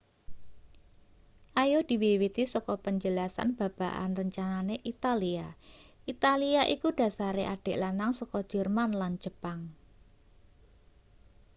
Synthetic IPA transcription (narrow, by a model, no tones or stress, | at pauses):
ʔajod̪̥i̤wiwit̪isɔkɔpəɲd͡ʒəlasa̰nb̥a̤b̥aʔa̰nrəɲt͡ʃananeʔit̪aliaʔit̪aliaʔikuɖ̥ä̤saɾeʔaɖ̥e̤ʔlanaŋsɔkɔ̥ʒ̥ərmanland͡ʒ̥əpaŋ